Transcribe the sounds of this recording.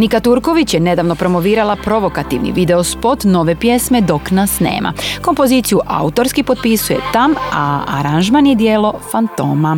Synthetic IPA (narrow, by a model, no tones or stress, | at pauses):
nikat̪uɾko̞ʋit͡ɕjene̞d̪aːʋno̞pɾo̞mo̞ʋiːɾalˠapɾo̞ʋo̞kat̪ḭʋnḭʋid̪e̞ospo̞t̪no̞ʋe̞pje̞sme̞d̪o̞knasnḛːmʔa̰ko̞mpo̞ziːt̪sijuʔa̰ut̪o̞ɾskipo̞t̪̚pisuje̞̰t̪amaa̰ɾanʒmanjed̪jeːlo̞fant̪o̞ːma